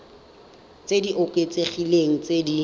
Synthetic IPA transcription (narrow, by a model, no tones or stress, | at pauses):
t͡sʼediʔʊkʼet͡seχileŋ̩t͡sʼedi